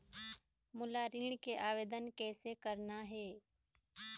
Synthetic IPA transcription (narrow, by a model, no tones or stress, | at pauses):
mʊlaɾiːɳ̃keʔaːʋeːd̪ənkɛːsekəɾnaɦɛː